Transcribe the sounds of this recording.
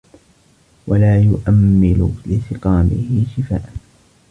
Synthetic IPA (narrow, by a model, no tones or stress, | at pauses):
walaːjʊʔamːɪlʊlɪsɪqɑːmɪ̰hɪʃɪfa̰ːʔa